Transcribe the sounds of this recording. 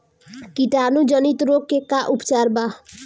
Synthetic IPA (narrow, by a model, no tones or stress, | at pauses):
kiʈanud͡ʒʌnit̪ɾokːekaʔupt͡ʃaɾba